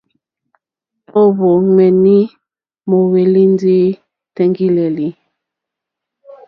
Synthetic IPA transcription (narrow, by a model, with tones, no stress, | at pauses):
o˦βo˨ŋɛ˨ni˦ | mo˨we˨li˦n˦di˦ | tɛ˦ŋɡi˦lɛ˨li˨